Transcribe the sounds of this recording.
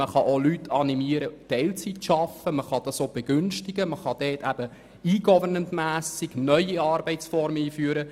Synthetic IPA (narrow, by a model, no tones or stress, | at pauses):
məχɑʔolytʰɑnimiəɾətɛɪlt͡sitʃɑfəməχɑd̥ɑsoːb̥eɡ̥ʏnʃtɪɡəməχɑd̥ɛːtʰæb̥ə | iːɡ̥ɔvənəntmæːsɪɡ̥nœʏiɑːrbɛɪtsfɔɾmiːfyːəɾə